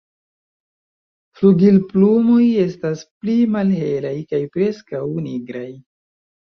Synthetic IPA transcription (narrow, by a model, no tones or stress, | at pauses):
fluɡilplumo̞je̞stasplimalhe̞lajkajpɾe̞skawniɡɾaj